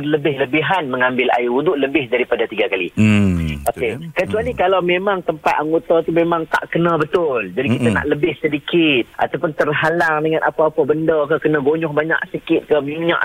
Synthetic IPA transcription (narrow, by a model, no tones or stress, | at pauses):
rləbɪhləbiɦanmə̃ŋãmbɪla̰juud̪uʔləbɪhdaɾipadat̪iɡakalḭ | okekət͡ʃualikalawmẽmaŋt̪əmpat̪̚aŋɡot̪ɔt̪umemãŋt̪a̰ʔkənãbət̪ʊld͡ʒadikit̪ana̰ʔləbɪhsədikɪt̪̚ʔa̰t̪awpʊnt̪ərɦalaŋdəŋanʔapaːpabəndɔkəkənãɡoɲɔhbaɲa̰ʔsəkɪt̪̚kəmiɲã̰ʔ